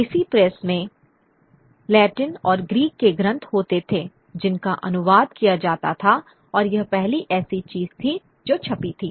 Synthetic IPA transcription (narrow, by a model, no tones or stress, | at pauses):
ɪsipɾɛsmẽ | lɛːʈɪnɔːɾɡɾiːkːeɡɾə̃nt̪ʰɦoːt̪et̪ʰeː | d͡ʒɪnkaʔɐ̰nʊʋaːd̪̚kijad͡ʒaːt̪at̪ʰa | ɔːɾjɐɦpɛɦliʔɛːsit͡ʃiːz̥t̪ʰi | d͡ʒoːt͡ʃʰɐpit̪ʰiː